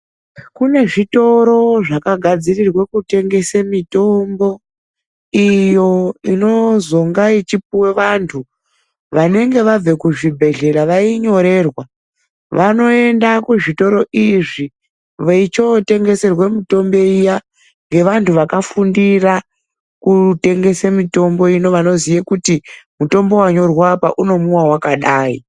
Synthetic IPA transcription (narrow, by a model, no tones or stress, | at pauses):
kune̞ʐito̞ɾo̞ʐakaɡʱad͡zirirwekute̞ŋɡe̞semito̞mbo̞ | ijo̞ino̞zo̞ŋɡait͡ʃipuwe̞ʋantʰu | ʋane̞ŋɡe̞ʋab͡ve̞kuʐibʱe̞ɮe̞ɾaʋaiɲo̞ɾe̞ːrwa | ʋano̞e̞ndakuʐito̞ɾo̞ʔiʐi | ʋeit͡ʃo̞te̞ŋɡe̞se̞rwe̞mito̞mbe̞ija | ŋɡe̞ʋantʰuʋakafundira | kute̞ŋɡe̞semito̞mbo̞ino̞ʋano̞zijekutimuto̞mbo̞waɲo̞rwapaʔuno̞muwawakaɗaːi